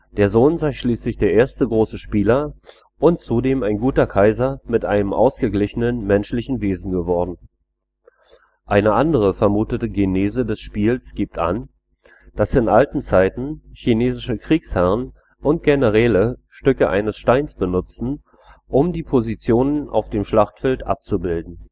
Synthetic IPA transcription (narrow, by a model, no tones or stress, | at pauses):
d̥eːɐzoːnzaɪʃliːslɪçd̥eːɐʔeːɐstəɡʁoːsəʃpiːlɐ | ʔʊnt͡sudeːmaɪnɡuːtɐkʰaɪzɐmɪtʔa̰ɪnəmʔa̰ʊsɡ̥əɡlɪçənənmɛnʃlɪçn̩veːzn̩ɡəvɔɐdn̩ | ʔaɪnəʔandəʁ̞əfɛɐmuːtətəɡeneːzədɛsʃpiːlsɡ̥iːp̚tʔa̰n | d̥asɪnʔaltn̩t͡saɪtn̩çineːzɪʃəkʁ̥iːkshɛʁn | ʔʊnt̚ɡ̥enəʁ̞ɛːləʃtʏkəʔa̰ɪnəsʃtaɪnsb̥ənʊt͡sn̩ | ʔʊmdiːpʰozit͡sjoːnənʔa̰ʊfd̥eːmʃlaχtfɛltʔa̰p̚t͡subɪldn̩